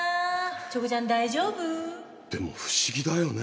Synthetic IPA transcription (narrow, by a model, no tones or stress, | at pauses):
t͡ɕoɡɯd͡ʑand̪aid͡ʑobɯ | d̪̥e̞mo̰ɸɯ̥ɕiɡʲid̪ajo̞ne